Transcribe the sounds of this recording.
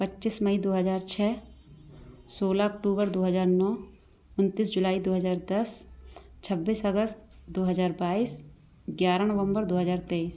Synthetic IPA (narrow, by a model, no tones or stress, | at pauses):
pətːʃisməid̪oːɦəzaːɾt͡ʃʰɛː | soːlaɔk̚ʈuːbəɾd̪oːɦəzaːɾnɔː | ʊnt̪isd͡ʒʊlaːid̪oːɦəzaːɾd̪ɐst͡ʃʰəbːisəɡəst̪d̪oːɦəzaːɾbaːiːs | ɡjaːɾanəʋə̃mbəɾd̪oːɦəzaːɾt̪eis